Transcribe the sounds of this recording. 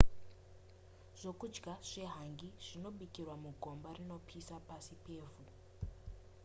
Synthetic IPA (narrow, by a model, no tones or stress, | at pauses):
ʐ̥o̞kud͡ʒɡaʐ̥e̞ɦaŋɡiʐ̥ino̞ɓikirwamuɡʱo̞mbarino̞pʰisapasipe̞ːvu